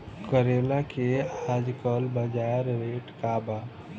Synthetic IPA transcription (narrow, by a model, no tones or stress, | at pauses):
kəɾeːlakeaːd͡ʒkɔːlbəd͡ʒaːɾɾeːʈkaːbaː